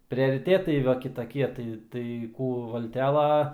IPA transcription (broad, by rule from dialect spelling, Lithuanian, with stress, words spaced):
pʲrʲɛrʲɪˈtʲeːtɐɪ ˈʋɐ kʲɪtɐˈkʲiɛ ˈtɐɪ tɐɪ ˈkuː ˈʋɐlʲtʲɛlˠɐ